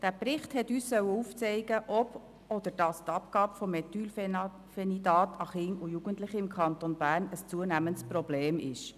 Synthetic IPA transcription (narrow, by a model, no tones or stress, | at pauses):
d̥æːpɾɪχthɛtyːssœwəuft͡sɛɪɡəʔɔb̥ | ɔd̪əɾd̥ɑst̪ɑpkɑːbəfɔmɛt̪yːl | fɛnidɑːtʰɑχɪŋujuɡ̥əntlɪχiɪmkʰχɑnt̪onbæːɾnəst͡suənæməntsprobleːmɪ̰ʃ